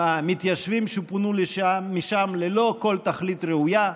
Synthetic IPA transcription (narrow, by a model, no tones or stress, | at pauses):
amit̪jaʃvimʃupunuleʃaːiʃamlelo̞ko̞lt̪aχlit̪ʁeuja